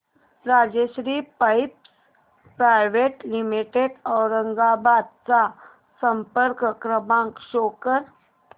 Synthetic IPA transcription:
ɾaːd͡ʒəʃɾiːpaɪps | pɾaːɪʋeːʈlɪmɪʈeɖɔːɾə̃ŋɡaːbaːd̪̚sa | sə̃mpəɾkkɾəbãːŋkʃoːkəɾ

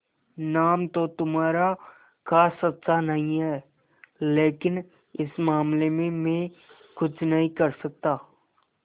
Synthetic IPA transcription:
naːmt̪ot̪ʊmaːɾa | kasɐt̪ːʃʰanɐɦĩɦɛː | leːkɪn | ɪsmaːmlemẽmɛ̃ | kʊt͡ʃʰnɐɦĩkɐɾsɐk̚t̪aː

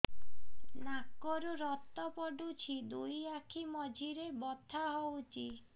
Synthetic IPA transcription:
nakːɔɾuɾɔt̪ːɔpɔɖut͡ʃʰid̪ujakʰimɔd͡ʒʱiɾebɔt̪ʰːaɦɔwt͡ʃʰi

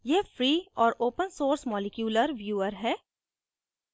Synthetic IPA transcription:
jeːfɾiːɔːɾoːpənsoːɾsmɔːlɪkjuːləɾʋjuːəɾɦɛː

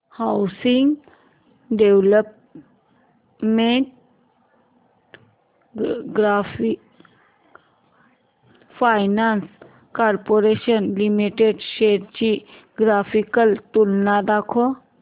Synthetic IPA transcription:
hawsiŋɡ | ɖewləp̚ | meɳʈ̚ | ɡɾafi | pʰajnans | kaɾpoɾeɕənlimiʈeɖɕeɾt͡ɕi | ɡɾafʰikəlt̪ulnad̪akʰo

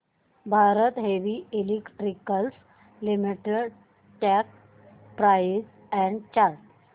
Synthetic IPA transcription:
bʱaɾət̪ɦeʋielekʈɾikəls | limiʈeɖ | ʈɛk | pɾais | ɛ̃ɳɖt͡ɕaɾʈ

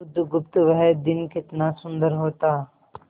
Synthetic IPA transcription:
ʊd̪ʱːɡʊp̚t̪ʋəɦɛd̪ɪnkɪt̪nasʊ̃nd̪əɾɦoːt̪aː

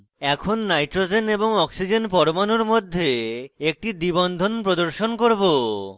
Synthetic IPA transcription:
ɛkʰonːajʈɾod͡ʑeneboŋɔksid͡ʑenpɔɾmanoɾmod̪ʱːeek̚ʈid̪ibɔnd̪ʱonpɾod̪oɾʃonkoɾbo

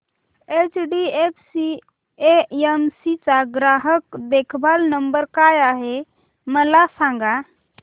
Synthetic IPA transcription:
et͡ʃɖiepʰsi | eemsit͡saɡɾaɦəkd̪ekʰbalnəmbəɾkajaɦe | məlasãŋɡa

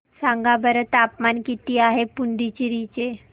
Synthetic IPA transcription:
sãŋɡabəɾət̪apmankit̪iːaɦepuɳɖit͡ɕiɾit͡ɕe

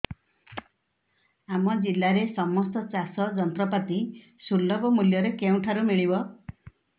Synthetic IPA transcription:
amɔd͡ʒilːaɾesɔmɔst̪ɔt͡ʃasɔd͡ʒɔnt̪ɾɔpat̪i | sulːɔbɔmuljɔɾekew̃ʈʰaɾumiɭibɔ

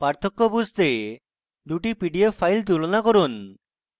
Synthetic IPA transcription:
paɾt̪ʰokːobust̪e | d̪uʈipiɖiopʰajlt̪̬ulonakoɾun

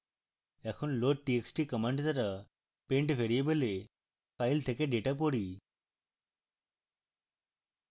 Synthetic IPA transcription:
ekʰunloʈ̚ʈieksʈikəmaɳɖt̪aɾa | peɳʈpʰeɽijebele | pajlt̪ʰekeɖeʈap̬oɽi

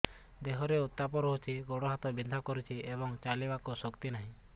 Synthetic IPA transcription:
d̪eɦɔɾeut̪ːapɔɾɔɦut͡ʃʰiɡɔɽɔɦat̪ɔbid̪ʱakɔɾit͡ʃʰiebɔŋt͡ʃalibakusɔkt̪inaɦĩ

